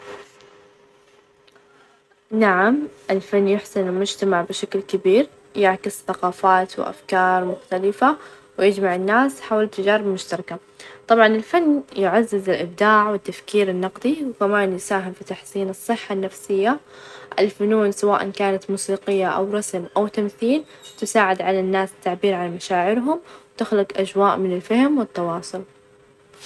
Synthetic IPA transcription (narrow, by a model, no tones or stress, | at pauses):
naʕamʔɪlfanːjʊħsɪnlmʊd͡ʒt̪amaʕbɪʃaklkɪbiːɾ | jɪʕkɪsθaqɑːfaːt̪wɪ̰ʔa̰fkɑːɾˤmʊxt̪alɪfa | wjɪd͡ʒmaʕɪnːaːsħaːwalt̪ːad͡ʒaːɾɪbmʊʃt̪ɑɾˤɑka | t̪ˤɑbʕɑnɪlfanːjɪʕazːɪzɪlʔɪb̚d̪aːʕwɪt̪ːafkiːɾɪnːɑqd̪ˤiwkamaːnjɪsaːɦɪmfit̪aħsiːnɨsˤːɨħːanːafsɪjːa | ʔɪ̰lfʊnuːnsawaːʔa̰nkaːnat̪muːsiːqɪjːaʔa̰wɾˤɑsmʔawt̪amθiːl | t̪ɪsaːʕɪd̪ʕalanːaːsɪ̥t̪ːaʕbiːɾʕalamaʃaːʕɪɾɦʊmwt̪ɪxlɪqʔad͡ʒwaːʔmɪnɪlfahmwɪt̪ːɑwɑːsˤʊl